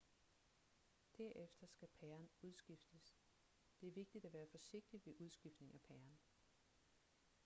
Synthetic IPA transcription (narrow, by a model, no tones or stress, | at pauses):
d̥æɐ̰ʔefd̥ɐsɡ̥æpʰæɐnuð̞ˠsɡ̥ifd̥əs | d̥e̝æɐʋe̝ɡ̥̚d̥id̥æʋæːɐfɒ̽se̝ɡ̥̚d̥id̥ʋe̝ʔuð̞ˠsɡ̥ifd̥ne̝ŋæpʰæɐn